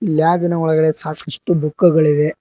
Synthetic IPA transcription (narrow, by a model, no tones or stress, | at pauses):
ilːjaːʋinɐɔɭɐɡɐɽe̞saːkɐsʈubukːɐɡɐɭiʋe̞